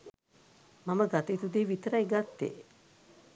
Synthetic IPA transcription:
maməɡat̪et̪ud̪eːʋit̪əɾajɡat̪ːḛː

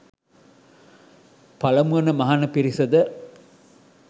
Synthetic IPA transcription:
pɐlɐmuɐnɐmɐɦanɐpiɾisɐd̪ɐ

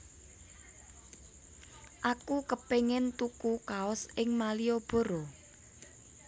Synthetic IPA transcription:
ʔakukəpeŋɪnt̪ukukaɔsɪŋmaliob̥o̤ɾo

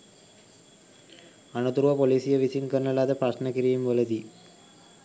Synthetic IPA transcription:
ɐɳɐt̪uɾʋɐpoliːsijɐʋisinkɐnɐlaːðɐpɾaːsɐnɐkiɾijumʋɐlɐd̪i

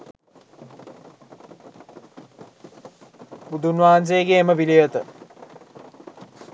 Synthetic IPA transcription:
ud̪unʋaːns̬ejɡeːməʋiliət̪ə

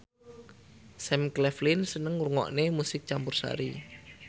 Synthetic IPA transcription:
sɛmklɛflɪnsənəŋuɾuŋɔ̰ʔnemusɪk̚t͡ʃampʊrsa̰ɾi

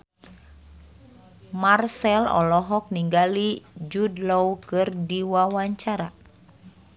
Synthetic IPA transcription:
marsɛlɔ̰lɔɦɔk̚niŋɡalid͡ʒudlɔwkɨrdiwawaɲt͡ʃaɾa

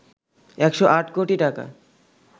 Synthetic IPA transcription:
ɛkʃɔʔaʈʰkoʈiʈaka̰

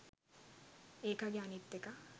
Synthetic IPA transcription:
eːkaɡeanit̪ːeka

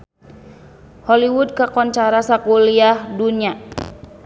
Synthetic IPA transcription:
hɔliwud̚kakɔɲt͡ʃaɾasakuliahduɲa

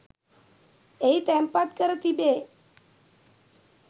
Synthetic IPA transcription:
eit̪ɛmpat̪kəɾət̪ʰibe

